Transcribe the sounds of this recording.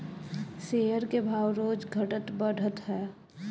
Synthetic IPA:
sejəɾkebʱaːwɾoːd͡ʒɡʱəʈət̪bəɽ̤ʱət̪ɦɛː

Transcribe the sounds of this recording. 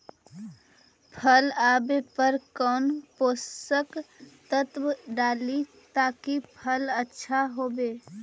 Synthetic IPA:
pʰəlaːbepəɾkɔːnpoːsəkt̪ət̪wɖaːli | t̪aːkipʰələtːʃʰaɦoːbeː

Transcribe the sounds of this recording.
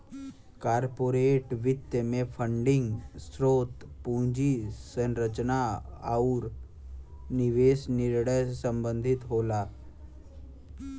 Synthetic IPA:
kaːɾpoːɾeːʈʋɪt̪jəmẽpʰəɳɖɪ̃ŋɡsɾoːt̪pũːd͡ʒisənɾət͡ʃnaaʊɾ | nɪʋeːsnɪɾɽəjsə̃mbə̃nd̪ʱɪt̪ɦoːlaː

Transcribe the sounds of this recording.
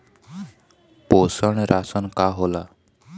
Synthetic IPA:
posɔɽ̃ɾʔasɔnkaɦola

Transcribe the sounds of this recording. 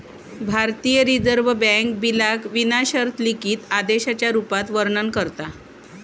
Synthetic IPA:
bʱaɾt̪ijəɾid͡zəɾʋəbɛ̃k̚bilakʋinaɕəɾt̪ʰlikiːt̪ad̪eɕat͡ɕjaɾupat̪ʋəɾɳənkəɾt̪a

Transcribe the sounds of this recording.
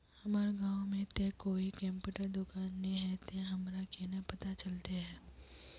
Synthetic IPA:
hɐmaːɾɡãːwmẽt̪ekoːikɛ̃mpjuːʈəɾd̪ʊkaːnːeɦɛt̪eɦɐmɾakenəpɐt̪at͡ʃɐlt̪eɦɛː

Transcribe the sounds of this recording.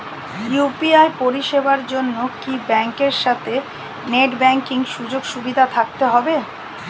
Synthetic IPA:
jupiajpoɾiʃebaɾd͡ʑonːokibɛŋkeɾʃat̪ʰe | neʈbɛŋkiŋʃud͡ʑoɡʃubid̪ʱat̪ʰak̚t̪eɦɔbe

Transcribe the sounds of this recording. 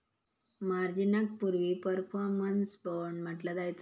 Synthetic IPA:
maɾd͡ʑinak̚puɾʋiːpəɾfɔɾmənsbəɳm̤əʈlad̪ajt͡sa

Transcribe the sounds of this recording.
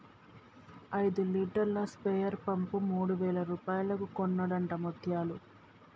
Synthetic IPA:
ɐjd̪uliːʈɐɾlɐspejɐɾpɐmpumuːɽuʋɛːlɐɾuːpaːjulɐkukonːɐɽɐɳʈɐmot̪ʰjaːlu

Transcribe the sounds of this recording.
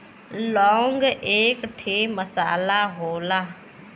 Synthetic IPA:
lɔ̃ːŋɡeːkʈʰeːməsa̰ːlaɦoːlaː

